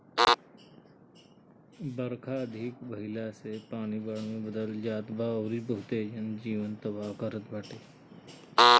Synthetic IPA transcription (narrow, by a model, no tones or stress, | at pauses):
bəɾkʰaəd̪ʱɪkbəɦɪlasepaːñibaːɽmẽbəd̪əld͡ʒaːt̪baɔːɾibəɦʊt̪ed͡ʒənd͡ʒiːʋənt̪əbaːkəɾət̪̚bəʈeː